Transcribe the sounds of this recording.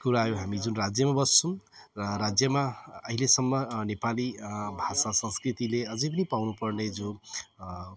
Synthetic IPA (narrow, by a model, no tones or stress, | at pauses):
kuɾajoɦamid͡zunrad͡zjʌmabʌst͡sʰum | rʌɾad͡zjʌmaʌɦilesʌmːʌnepalibʱasasʌ̃nskrit̪ileʌd͡zʌjp̬ʌnipawnupʌrned͡zo